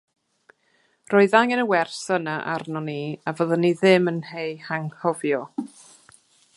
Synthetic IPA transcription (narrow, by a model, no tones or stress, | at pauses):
roːɨðaŋɛnəwɛrsənaʔa̰rnɔniavəðəniðɪmənhejhaŋhɔvjɔ